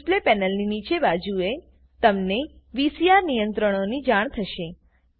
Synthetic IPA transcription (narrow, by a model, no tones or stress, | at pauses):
ʈlepɛnəlninit͡ʃebad͡ʒue | t̪əmneʋisijaɾnijənt̪ɾəɽ̃onid͡ʒaɳ̃t̪ʰəʃe